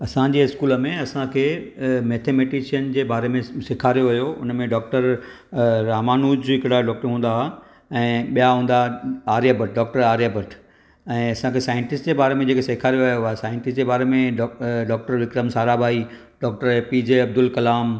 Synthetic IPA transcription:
ɐsãd͡ʑeːɪskuːləmẽɐsãkʰeːmeːt̪ʰeːmeːʈɪʃijənd͡ʑeːbaːɾemẽsɪkʰaːɾijoʋɐjoʊ̰nəmẽɖɔːk̚ʈəɾ | ɾaːmaːnuːd͡ʑɦɪkɽaɖɔːk̚ʈəɾɦũːn̆d̪a | ɛ̃ːɓijaɦũːn̆d̪aaːɾijaːbəʈ̚ɖɔːk̚ʈəɾaːɾjaːbəʈʰ | ɛ̃ːɐsãkʰesaːɪ̃ɳʈɪsʈd͡ʑeːbaːɾemẽd͡ʑeːkesɪkʰaːɾijoʋɐjoaːɦesaːjɪ̃ɳʈɪsʈd͡ʑeːbaːɾemẽɖɖɔːk̚ʈəɾʋɪkɾəmsaːɾabʱaːi | ɖɔːk̚ʈəɾpiːd͡ʑeɐb̚d̪ʊlkɐlaːm

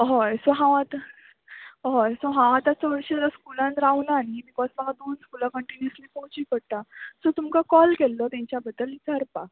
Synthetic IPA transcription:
ɦɔjsɔɦãʋãt̪a | ɦɔjsoɦãʋãt̪at͡səʋəɾʂət̪askulãnɾawnaːnibikɔd͡zsaɡad̪onskulakəɳʈinjəslipɔɦũt͡ɕiːkəɽt̪asɔt̪umkakɔlkelːɔt̪jãɲt͡ɕjabəd̪ːəlit̪əɾpa

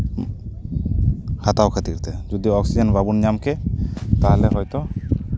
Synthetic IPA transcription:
hat̪awkʰat̪iɾt̪ɛd͡ʒɔd̪iɔksid͡ʒɛnbabunɲamkʰɛt̪aɦlɛɦɔjt̪ɔ

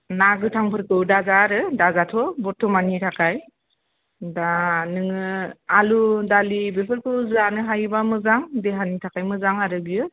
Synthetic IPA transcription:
naɡɯtʰaŋpʰɯɾkɯwdazaɾɯdazatʰɔbɔtʰɔmanitʰakʰaj | danɯŋɯaludalibepʰɯɾkʰɯwzanɯɦajbamɯzaŋdeɦanitʰakʰajmɯzaŋaɾɯbiɯ

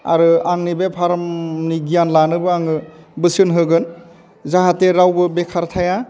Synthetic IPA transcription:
a̰ɾɯaŋnibepʰaɾɔmniɡijanlanɯbɯaŋɯbɯsɯnɦɯɡɯn | zaɦatːeɾawbɯbekʰaɾtʰaja

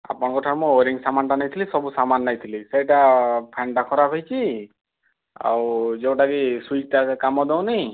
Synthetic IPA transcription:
a̰pɔɽ̃kɔʈʰaɾmɔ̃oɾiŋsamanʈanajt̪ʰilisɔbusamanːajt̪ʰilisejʈapʰɛɳʈakʰɔɾapʰejt͡ʃʰi | a̰wd͡ʒew̃ʈaɡiswit͡ʃʈakamɔd̪ew̃nij̃

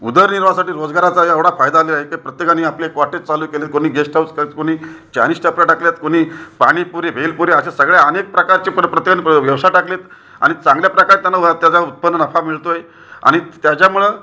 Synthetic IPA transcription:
ud̪əɾniɾʋasaʈiːɾod͡zɡaɾat͡saɦəʋɽafajd̪aːlelaekapɾət̪jekaniapljeekʋaʈet͡saluːkelet̪̚koɽ̃iːɡesʈʰawt͡skəɾit̪koɽ̃iːt͡ɕa̰nisʈaplaʈakljat̪koɽ̃iːpaɽ̃ipuɾeʋʱelpuɾeəɕasəɡɭjaənek̚pɾəkaɾt͡ɕiːpɾət̪jekaniʋjəʋsaʈakleːt̪ | a̰ɽ̃it͡sãŋɡljapɾəkaɾt̪janːat̪jat͡saut̪̚pənːənəfʰamiɭt̪oɦe | a̰ɽ̃it̪jat͡ɕamuɭe

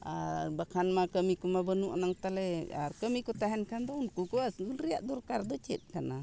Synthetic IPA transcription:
abakʰanmakəmikumabənuʔanaŋt̪alɛa̰ɾkəmikut̪aɦɛnkand̪ɔnkukuwasunɾijaʔd̪ɔɾkaɾd̪ɔt͡ʃɛ̰t̪̚kana

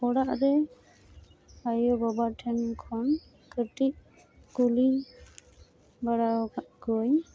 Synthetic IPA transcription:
pɔɽaʔd̪ɛ | ajɔbɔbaʈʰɛnkʰɔn | kəʈiʔ̚ | kuli | baɽaɡɔj

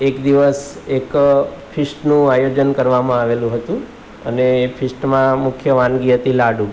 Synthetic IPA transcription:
ekd̪iʋəsekpʰɪsʈnũajod͡ʒənkəɾʋamãaʋelũɦət̪ũ | ə̰neːpʰɪsʈmãmʊkʰjəʋãnɡiɦət̪ilaɖũ

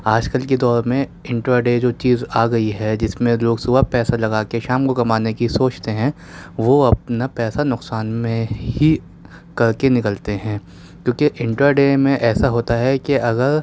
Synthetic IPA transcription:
aːd͡ʒkɐlked̪ɔːɾmẽɪ̃ɳʈɾaɖeːd͡ʒoːt͡ʃiːzaːɡɐiɦɛd͡ʒɪsmẽloːɡsʊbapɛːsalɐɡaːkeʃaːmkokɐmaːnekisoːt͡ʃt̪eɦɛ̃ː | ʋoɐp̚napɛːsanʊqsaːnmẽɦi | kɐɾkenɪkəlt̪eɦɛ̃ː | kjõːkeʔɪ̃ɳʈɾaɖeːmẽʔɛːsaɦoːt̪aɦɛkeɐɣəɾ

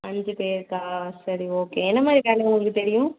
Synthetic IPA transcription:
ɐɲd͡ʒɯpeːɾt̪ãːsɐɾioːkeːɛnːɐmaːd̪ɾikaːlːeʊŋɡɐɭɯkːɯt̪ɛɾɪjʊ̃

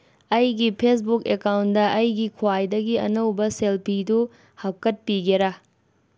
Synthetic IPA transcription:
ɐjɡipʰes̬bukekawndɐʔɐjɡikʰwajdɐɡiɐ̰nɐwbɐselpʰidu | hakɐt̚piɡeɾɐ

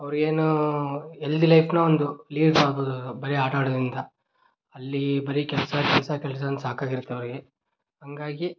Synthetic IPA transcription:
ɐʋɾiɡe̞ːnu | eld̪ilɐjpnɐond̪uliːɖmaːɽboːd̪uubɐɾiaːʈaːɽɐd̪ɾind̪ɐ | ɐlːibɐɾikɛlɐsɐkɛlɐsɐkɛlɐs̬ɐɐnsaːkaːɡiɾut̪ːeɐʋɾiɡe | ɦɐŋɡaːɡi

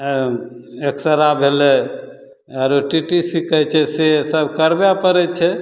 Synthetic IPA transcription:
eksəɾabʱelɛ | aɾoʈiʈisikɛt͡ʃʰɛsesəbkəɾbjapəɾɛt͡ʃʰɛ

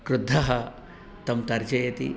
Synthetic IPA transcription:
kɾud̪ʱːɐɦɐ | t̪ɐmt̪ɐɾd͡ʒɐjɐt̪ḭ

